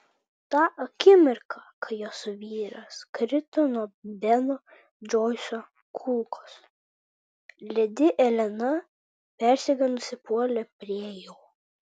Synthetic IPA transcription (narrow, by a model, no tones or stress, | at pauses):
t̪ɑːʔɐkʲɪmʲɪɾkʰɑkɐjoːsʊʋʲiːɾɐskɾʲɪt̪ɔnuɔːbʲɛnɔ | d͡ʒɔɪso | kʰulˠkoːs | lʲɛd̪ʲɪʔɛlʲɛnɐ | pʲæˑɾʲsʲɛɡʲɐnʊsʲɪpuɔlʲɛpʲɾʲiɛjoː